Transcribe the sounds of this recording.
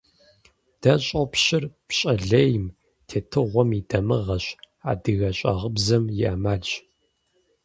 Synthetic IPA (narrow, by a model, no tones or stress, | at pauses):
d̥ɐɕʼɐpɕɪrpɕʼɐɮejm | tʰeːtʰɨʁʷɔmidɐmɨʁɐɕ | a̰ːdɨɣɐɕʼɐ̰ʁəbzɐmjɪʔɐmaːd͡ʒ